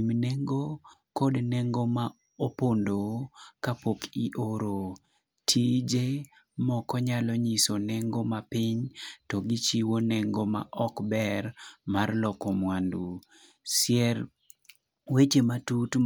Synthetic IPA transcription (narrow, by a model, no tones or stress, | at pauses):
mneŋɡokɔdnɛŋɡoma | opondokapokiʔoɾo | tʰid͡ʒe | mɔkɔɲalɔɲisonɛŋɡomapɪɲtɔɡit͡ʃiwonɛŋɡoma̰ʔɔkbɛrmarlɔkɔmwandu | sɪɛɾ | wet͡ʃematut